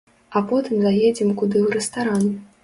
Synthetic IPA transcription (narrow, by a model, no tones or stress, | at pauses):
apɔt̪ɨmzajed͡zʲɛmkud̪ɨwɾɛst̪aɾan